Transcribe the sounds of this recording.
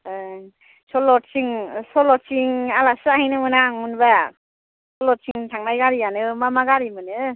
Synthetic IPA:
ɯ | sɔlɔt̚siŋsɔlɔt̚siŋalasahijnɯmɯnaŋmunba | sɔlɔt̚sʰiŋtʰaŋnajɡaɾijanɯmamaɡaɾimɯnɯ

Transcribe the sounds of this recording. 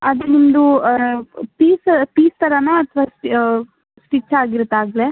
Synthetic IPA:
ɐd̪enimd̪u | piːspiːst̪ɐɾɐnoɐt̪ʰʋas | sʈit͡ʃːaːɡiɾut̪ːaːɡle

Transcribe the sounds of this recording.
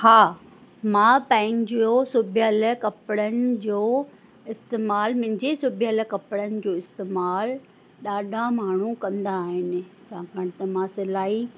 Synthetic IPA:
haː | mãpɛ̃ːɪŋd͡ʑosubʱjəɐləkɐpɽənɪ̆d͡ʑoː | ɪst̪eːmaːlmɐ̃ɦɪ̃ɲd͡ʑesubʱɪəələ̆kɐpɽənɪ̆d͡ʑoːɪst̪eːmaːl | ɗaːɖʱãmaːɳ̤ukɐ̃nd̪aːɦɪnɪ̆t͡ɕãkɐɽ̃ɪ̆t̪ɐmãsɪlaːi

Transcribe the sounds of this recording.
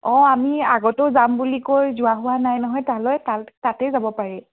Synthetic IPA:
ɔ̃amiaɡɔtʊzambulikojzʊwaɦʊwanajnɔɦɔjtalɔjtatatɛzabɔpaɹɛ

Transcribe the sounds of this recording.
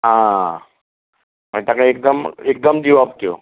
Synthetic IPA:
ɦã | m̤ə̃t̪akaek̚d̪əmek̚d̪əmd̪iʋapt̪ijo̰

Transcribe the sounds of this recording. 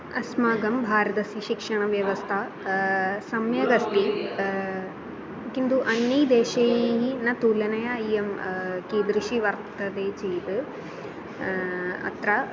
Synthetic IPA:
ɐsmaːɡɐmbʱaːɾɐt̪ɐsiʃikʂɐɳɐʋjɐʋɐst̪ʰɐ | sɐmjɐɡɐst̪i | kint̪uʔɐnːjiːd̪eːʃɐjɦinɐt̪uːlɐnɐjɐiɐmkiːd̪ɾiʃiʋɐɾt̪t̪ɐd̪eːt͡ʃiːt̪ɨ | ɐ̰t̪ɾɐ

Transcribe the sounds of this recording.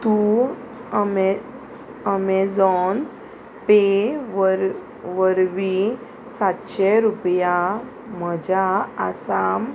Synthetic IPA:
t̪u | əme | əmed͡zɔn | peʋəɾ | ʋəɾʋi | sat̪ɕeɾupja | m̤əd͡ʑaəsam

